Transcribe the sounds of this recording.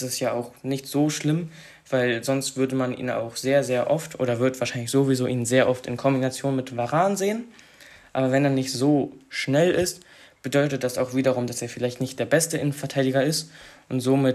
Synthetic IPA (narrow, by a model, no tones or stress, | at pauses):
sɪstjaːaʊxnɪçtz̥oːʃlɪm | v̥aɪlzɔnstv̥ʏɐdəmanʔḭːna̰ʊxz̥eːɐzeːɐʔɔftʔo̰ːɾɐvʏɐtv̥aːɐʃaɪnlɪçz̥oːvizoːʔiːnənzeːɐʔɔftɪ̰nkʰɔmbinat͡sjoːnmɪtv̥aʁaːnzeːən | ʔaːbɐvɛneːɐnɪçtz̥oːʃnɛlɪst | b̥ədɔʏtət̚d̥asaʊxv̥iːɾɐʁʊmdaseːɐfɪlaɪçtnɪçtd̥eːɐbɛstəʔɪnənfɛɐtʰaɪdiɡɐɪstʔʊntz̥oːmɪt